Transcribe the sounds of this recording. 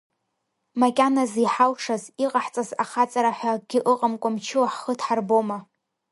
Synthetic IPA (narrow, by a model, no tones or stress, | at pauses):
makʲʼanaziħalʂaziqʼaħt͡sʼazaχat͡sʼaɾaħʷaɡ̥ʲɪʔɨqʼamkʷʼamt͡ʃʰɨwaħχətʰħarboma